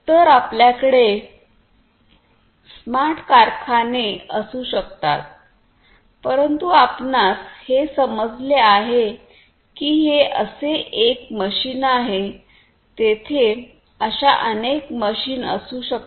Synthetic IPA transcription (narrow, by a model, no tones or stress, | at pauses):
t̪əɾapljakəɽe | smaʈʰkaɾkʰaneəsuːɕəkt̪a̰t̪̚ | pəɾənt̪uapnashesəməd͡zleaɦe | kiːɦeʔəseʔekməɕiːnaɦe | t̪et̪ʰe | əɕaʔənekməɕiːnə̰suːɕək